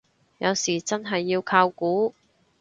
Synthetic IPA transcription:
jɐ˨˧wsiː˨˩t͡sɐ˥nɦɐ˨jːiː˧wkʰaː˧wkuː˨˥

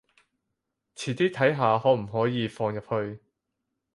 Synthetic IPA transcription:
t͡sʰiː˨˩t̪iː˥t̪ʰɐ˨˥jɦaː˨ɦɔː˨˥m̩˨˩ɦɔː˨˥jiː˨˧fɔː˧ŋjɐ˨p̚hɵ˧ɥ

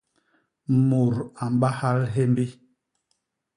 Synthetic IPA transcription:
mo˨ɾa˨m˦ɓa˦ha˦lɦɛ˦mbi˦

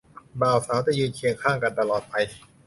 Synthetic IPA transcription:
baː˧˩wsaː˩˦wt͡ɕa˧˩jɯː˧nkʰi˧əŋkʰaː˥˩ŋka˧nt̪a˧lɔː˨˩t̪̚pa˧j

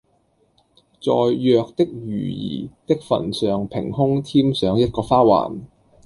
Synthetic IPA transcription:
t͡sɔː˨jːœː˧k̚t̪ɪ˥k̚jyː˨˩jḭː˨˩t̪ɪ˥k̚fɐ̰˨˩nsœː˨ŋpʰɪ̰˨˩ŋhʊ˥ŋt̪ʰiː˥msœː˨˥ŋjɐ˥t̚kɔː˧faː˥wa̰ː˨˩n

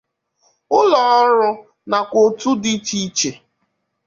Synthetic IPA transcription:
ʊ˦lɔ˨ɔ˦ɾʊ˦ | na˨kʷo˨tu˦dɪ˦t͡ʃi˦t͡ʃe˨

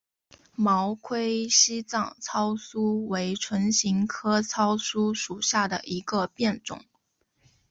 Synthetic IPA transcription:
mɑ˧˥ʊkʰwe˥ɪɕi˥t͡sɑ˥˩ŋt͡sʰɑ˥ʊsu˥we˧˥ɪʈ͡ʂʰwə˧˥nɕi˧˥ŋkʰɤ˥t͡sʰɑ˥ʊsu˥ʂu˨˩ɕja˥˩d̪ə̰˩ʔi˧˥ɡə˧pjɛ˥˩nʈ͡ʂʊ̰˨˩˦ŋ

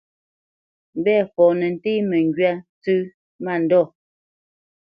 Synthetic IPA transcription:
m̩˨˦bɛː˦˨fɔː˨nɛ˨n̩˨te˦mɛ˨ŋɡɥa˦t͡sʉ˦ | ma˦˨n̩˨dɔ˦˨

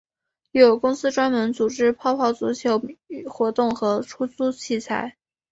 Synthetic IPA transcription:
jɛ˧˥jo˨˩ʊkʊ˥ŋsɹ̩˥ʈ͡ʂwa˥nmə˧˥nt͡su˨˩ʈ͡ʂɻ̩˥pʰɑ˥˧ʊpʰɑ˥˩ʊt͡sṵ˧˥t͡ɕʰjo˧˥ʊ˨˩xwɔ˧˥t̪ʊ˥˩ŋxɤ˧˥ʈ͡ʂʰu˥t͡su˥t͡ɕʰi˥˩t͡sʰa̰˧˥˩ɪ

